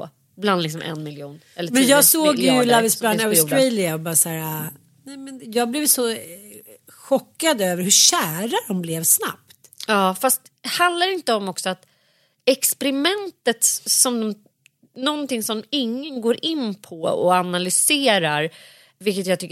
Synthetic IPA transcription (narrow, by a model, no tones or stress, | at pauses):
bland̪lɪks̬ɔmʔɛ̰nmɪljuːnɛlːətmɛnːjɑːɡsoːɡlavɪsbland̪aʊɾɛlɪaɔbɑːɾsæːɾa | nɛmɛnjɑːɡ̚blɛvsɔ | ɧɔkːad̪øːvəɾhɵɕæːɾadɔmblɛvsna̰pt̪ | jɑːfast̪ | hand̪laɾɪnt̪əɔmɔksɔat̪ | ɛkspɛɾɪmɛnt̪ət̪sɔmd̪ɔm | nɔnt̪ɪŋsɔmɪŋːənɡoːɾʔɪnpʰɔɔ̰analʏseːɾaɾ | vɪlkːət̪jaɡt̪ʏkː